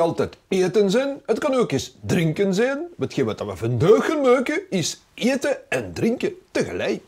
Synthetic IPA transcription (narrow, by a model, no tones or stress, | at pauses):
ɑlˠtɛteːtənzɛnɦətkɑnoːkɪsdrɪŋkənzɛjnbətxemətɑʋəvəndøːxənmøːkəɪs | eːtəɛndrɪŋkətəɣə̰lɛjk